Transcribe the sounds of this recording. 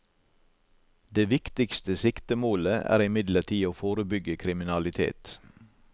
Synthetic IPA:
d̪eːʋɪkt̪ɪkst̪əsɪkt̪əmoːləæ̰ːɾɪmɪd̪ləʈʰiːoːfoːɾəbʏɡəkʰɾɪmɪnɑlɪt̪ʰḛːt̪

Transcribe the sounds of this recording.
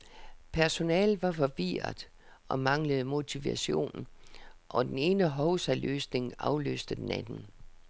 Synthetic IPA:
pʰæɐso̝nɛːlʋɑ̈fɒ̽ʋiɐðˠ | ʔɒ̽mɑ̈ŋləð̩ˠmo̝t͡sʰiʋæɕo̝̰ːnn̩ʔɒ̽d̥ene̝ːnəɦɒʊsælø̰ːsne̝ŋɑ̈ʊlø̰ːsd̥əd̥enænn̩

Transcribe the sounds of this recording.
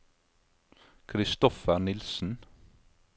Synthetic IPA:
kʰɾɪst̪ɔfəɾnɪlsn̩

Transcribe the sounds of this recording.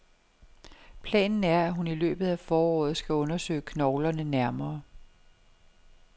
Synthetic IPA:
pʰlɛ̰ːnn̩æɐæɦunilø̰ːb̥ð̩ˠæfɒːɒ̰ːð̩ˠsɡ̥æɔ̽nɐsø̰ːɪkʰnɒʊlɐnənæɐmɐː

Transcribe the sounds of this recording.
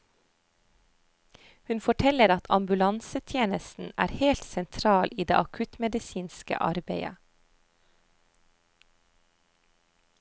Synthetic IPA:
hʉnfɔʈʰɛləɾɑt̪ʰɑ̰mbʉlɑnsət̪ʰjeːnəsn̩æ̰ːɾheːlt̪sɛnt̪ʰɾɑːlʔiːd̪ḛːʔɑkʰʉt̪mɛd̪ɪsiːnskə̰ʔɑ̰ɾbeɪə̰

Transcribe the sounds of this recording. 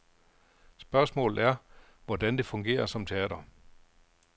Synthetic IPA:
sb̥ɶɐsmɔ̰̽ːlð̩ˠæɐʋɒd̥ænd̥e̝fɔ̽ŋɡ̥e̝̰ːɐsɒ̽mt͡sʰe̝ɛ̰ːd̥ɐ

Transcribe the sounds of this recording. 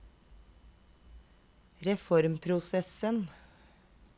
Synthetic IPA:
ɾɛfɔɾmpʰɾʊsɛsən

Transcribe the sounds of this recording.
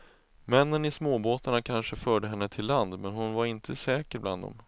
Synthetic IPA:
mɛnːənɪsmoːboːt̪aɳakʰanʂəfœːɖəɦɛnːət̪ʰɪlːand̪mɛnɦʊnvaɾɪnt̪ʰəsɛːkəɾbla̰nd̪ɔ̰m

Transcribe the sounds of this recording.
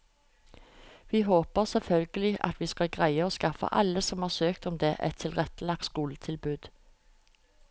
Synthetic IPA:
ʋiːɦoːpəʁsɛfœlɡəlɪʔɑ̰t̪ʋiːskɑlɡʁæɪəoːskɑfə̰ʔɑ̰ləsɔmhɑːʁsøːkt̪ɔmd̪eːʔɛt̪ʰɪlʁɛt̪əlɑk̚t̪skuːlət̪ʰɪlbʉːd̪̥

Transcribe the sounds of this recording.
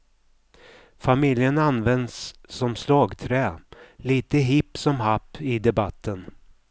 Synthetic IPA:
famɪljənanvɛnd̪sːɔmslɑːɡt̪ʰɾɛːliːt̪əɦɪpːsɔmɦapːɪd̪ɛbat̪ʰːən

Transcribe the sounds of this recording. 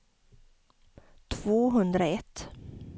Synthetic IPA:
t̪ʰv̥oːɦɵnd̪ɾaɛt̪ː

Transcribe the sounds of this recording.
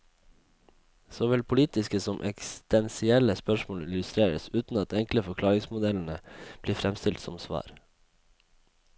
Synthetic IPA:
soːʋɪlpʰʊliːt̪ɪskəsɔmʔɛ̰kst̪ɛnsɪɛləspœʃmoːlɪlʉst̪ɾeːɾə̰sʉːt̪n̩ɑt̪ʰɛŋkləfɔkʰlɑːɾɪŋsmʊd̪ɛln̩əb̥liːfɾɛmst̪ɪlt̪sɔmsʋɑ̰ːɾ

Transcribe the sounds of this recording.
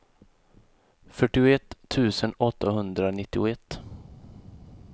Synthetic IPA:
fœʈːɪʊɛt̪ʰːʉ̟ːsənɔt̪ʰːaɦɵnd̪ɾanɪt̪ːɪʊɛt̪ː

